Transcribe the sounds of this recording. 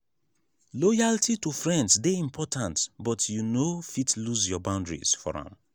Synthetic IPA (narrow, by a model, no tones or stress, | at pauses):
lɔjaltʰitufɹɛ̃ndsdeĩmpʰɔtʰãntbɔtʰjunofitluzjɔbãʊ̃ndɹḭz̥fɔ̰ɹã̰m